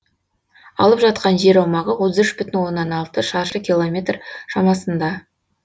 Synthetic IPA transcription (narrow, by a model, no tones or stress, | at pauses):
ɑ̰lˠəpʒɑt̪̚qɑnʒe̞ɾɑwmɑʁəwot̪əzɪʃbʏt̪ɪnwo̞nːɑnɑlˠt̪əʃɑɾʃəkʲilˠomʲe̞t̪rʃɑmɑsənd̪ɑ